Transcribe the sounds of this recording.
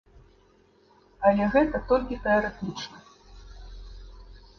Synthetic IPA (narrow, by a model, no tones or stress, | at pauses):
ɐlʲɛɣɛt̪ɐt̪ɔlʲkʲit̪ɛɐɾɛt̪ɨt͡ʂnɐ